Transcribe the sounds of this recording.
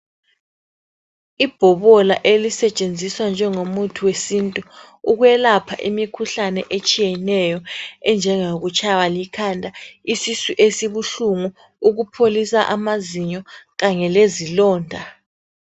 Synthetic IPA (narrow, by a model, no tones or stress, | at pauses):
ib̥ʱɔβɔla̰ʔelisɛt͡ʃʼend͡zʱiswand͡ʒʱɛŋomutʰuwesintʼu | uɣwɛlapʰaʔimikʰuɬanɛ̰ʔet͡ʃʼijɛnɛjɔɛnd͡ʒʱɛŋoɣut͡ʃʰʼawalikʰandʱaisisiʔesiβuɬuŋu | uɣupʰolisaʔamaziɲɔɣaɲɛlezilɔːndʱa